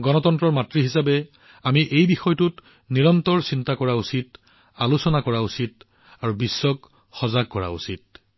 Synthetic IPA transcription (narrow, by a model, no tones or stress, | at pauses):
ɡɔnɔtɔntɹɔɹmatɹiɦisabɛ | amiʔejbixɔjtut | niɹɔntɔɹsintakɔɹausit | alusɔnakɔɹausit̚ | aɹubisːɔk | xɔzaɡ̚kɔɹa̰ṵsit̚